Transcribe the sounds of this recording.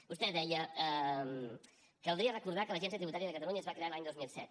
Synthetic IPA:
bust̪ɛd̪ɛjəəm | kəlˠd̪ɾiərəkuɾð̞akələʒɛnsiət̪ɾiβut̪aɾjəðəkət̪əluɲəːzβakɾealaɲd̪ozmilˠsɛ̰t̪

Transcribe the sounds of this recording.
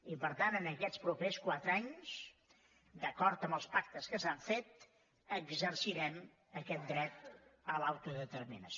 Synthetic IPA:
ipəɾt̪anənəkɛt͡spɾupeskwat̪ɾaɲs | d̪əkɔɾt̪əmbəlˠspak̚t̪əskəsaɱfet̪ | əɡzəɾsiɾɛm | əkɛt̪̚d̪ɾɛt̪̚əlawt̪uðət̪əɾminəs

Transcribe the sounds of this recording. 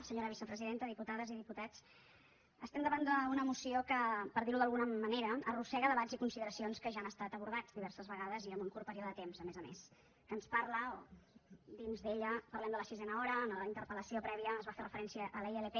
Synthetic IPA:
səɲoɾəβ̞isəpɾəziðent̪əðiput̪aðəziðiput̪at͡s | əst̪ɛmd̪əβand̪əunəmusiokəpəɾðiɾuðəlˠɣunəməneɾəːrusɛɣəðəβazikunsiðəɾəsionskəʒaːnəst̪at̪əβuɾð̞ad͡zd̪iβɛrsəzβəɣaðəziəmbuŋkuɾpəɾioðəət̪emzəmezəmḛs | kənsparləo | d̪inzðeʎəpərlɛmd̪ələsizɛnəɔɾəːnləint̪əɾpələsiopɾɛβiəːzβaferəfəɾɛnsiəʔəleelepe

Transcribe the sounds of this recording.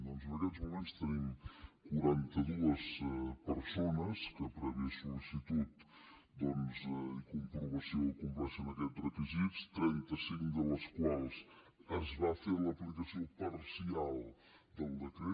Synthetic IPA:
d̪ɔnzənəkɛzmumenst̪ənimkuɾant̪əðuəspəɾsonəskəpɾəβisulisit̪ut̪ | d̪ɔnzikumpɾuβəsiokumplɛsənəkɛt̪rəkizist̪ɾɛnt̪əsiŋkd̪ələskwalˠs | əzβafeɾləplikəsiopərsialˠ | d̪əlˠd̪əkɾe

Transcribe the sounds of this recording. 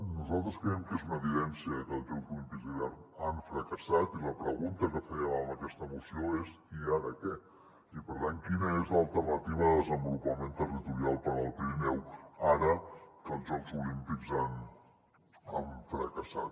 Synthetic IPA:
nuzalˠt̪ɾəskɾɛɛmkezunəːβiðɛnsiət̪ɔzəlˠzulimpikzðiβɛɾtaɱfɾəkəsat̪iləpɾəɣunt̪əkəfɛəəməkɛst̪əmusioes | iaɾəkɛ | ipəɾt̪aŋkinəezləlˠt̪ərnət̪iβ̞əðəzəmbulupəment̪ərit̪uɾialˠpəɾəlˠpɾimɛwaɾət̪od͡zəlˠzulimpikzan | a̰ɱfɾəkəsat̪̚

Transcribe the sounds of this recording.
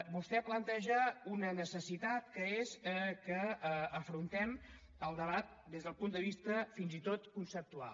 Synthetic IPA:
bust̪ɛplənt̪ɛʒəunənəsəsit̪at̪kəezəkəəfɾunt̪ɛm | əlˠd̪əβ̞at̪̚d̪ezðəlˠpund̪əβ̞ist̪əfinzit̪ot̪kunsəp̚t̪ua̰l

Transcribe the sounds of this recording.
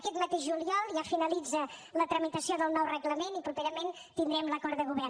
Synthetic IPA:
kɛt̪mət̪eʒʒuliɔlˠʒafinəlid͡zələt̪ɾəmit̪əsioðəlˠnɔwrəɣləmenipɾupeɾəmen | t̪ind̪ɾɛmləkɔɾt̪ðəɣuβɛr

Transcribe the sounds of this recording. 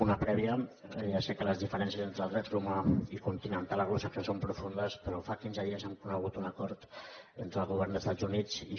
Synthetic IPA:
unəpɾɛβiəjasɛkələzðifəɾɛns̬jəzent̪ɾəlˠd̪ɾɛt̪rumaikunt̪inənt̪aləɣosəkəsompɾufund̪əspəɾɔfakinzəðiəzɛmkunəɣ̞ut̪unəkɔɾt̪ent̪ɾəlˠɣuβ̞ɛrnd̪əst̪ad͡zunit͡si

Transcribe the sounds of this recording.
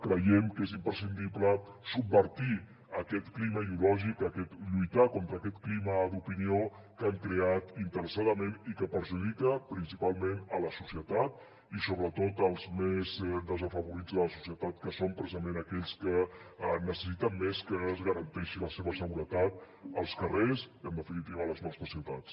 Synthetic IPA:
kɾəjɛmkezimpɾəsind̪ipləsubbəɾt̪i | əkɛt̪kliməiðiulɔʒikəkɛt̪ʎujt̪akont̪ɾəkɛt̪kliməd̪upinio | kaŋkɾeat̪int̪əɾəsaðəmenikəpəɾʒuðikəpɾinsipalˠmenələsusjət̪at̪̚ | isoβɾət̪ot̪əlˠzmezd̪əzəfəβuɾid͡zðələsu̥sjət̪at̪̚kəsompɾəsizəmenəkɛʎskənəsə̥sit̪əmːeskəːzɣəɾənt̪ɛʃiləseβəsəɣuɾət̪at̪̚ | əlˠskəresənd̪əfinit̪iβələznɔsfəsiət̪at͡s

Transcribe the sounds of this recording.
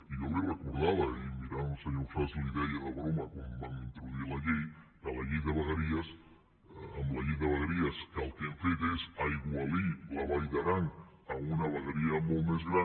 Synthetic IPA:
inoβerakuɾðaðaimiɾanunseɲoɾfasliðɛjaðaβɾomakombaŋent̪ɾoðilaʎejkalaʎejðəβaɣaɾias | amlaʎejðəβaɣaɾiaskalˠkeɱfet̪esaiɣwalilaβajðaɾaŋ | aunaβaɣeɾiamolmezɣɾa

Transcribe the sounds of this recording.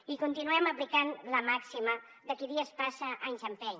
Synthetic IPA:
ikunt̪inuɛməplikanləmaksimə | d̪əkiðiəspasəʔansampɛɲ

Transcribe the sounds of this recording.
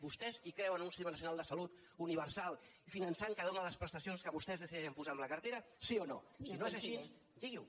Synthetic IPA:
bust̪ɛzikɾɛwənunsianəsiunalˠd̪əsəlut̪ | uniβ̞əɾsalˠ | ifinənsaŋkəð̞onələspɾəst̪əsionskəβust̪ɛzðəsiɛʒəmpuzaːmləkərt̪eɾəsiono̰sinoezaʃis | d̪iɣiw

